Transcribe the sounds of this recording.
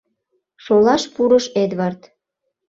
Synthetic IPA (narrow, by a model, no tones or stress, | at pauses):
ʃolɑʃpuɾəʃed̪βɑrt̪